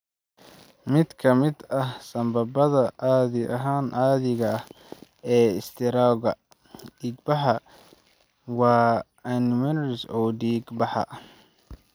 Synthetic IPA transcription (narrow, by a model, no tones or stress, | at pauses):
mɪd̪kʰɐmɪd̪ɐhsɐmbɐbɐðɐʔaːðɪʔɐɦaːnʔaːðɪɣɐɐh | ɛːɪst̪ʰɪɾaːɣɐ | iːɡbɑħɑ | wɑː | anɪmɛnɾɪsɔːdiːɡbɐħɑ̰